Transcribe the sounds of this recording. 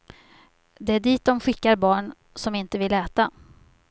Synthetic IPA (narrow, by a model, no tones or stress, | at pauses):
d̪ɛæɖiːt̪̚d̪ɔmɧɪkːaɾbɑːɳ | sɔmɪnt̪əvɪlɛːt̪a